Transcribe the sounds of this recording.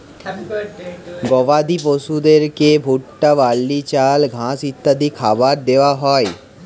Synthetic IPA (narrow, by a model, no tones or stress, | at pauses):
ɡɔʋad̪iposud̪eɾkebʱuʈːaʋalːit͡ɕalɡʱãsit̪ːad̪ikʰabaɾd̪eaɦɔe